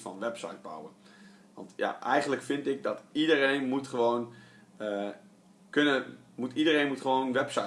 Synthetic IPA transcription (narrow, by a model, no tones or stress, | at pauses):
fɔnʋɛpsɔ̰jt̚ba̰wə | ʋɑ̰ntja̰ʔɛjχəntləkfɪntɪk̚dɔtidərejnmutχəʋoːn | ə | kønəmutidərejnmutχəʋoːnʋɛpsɔ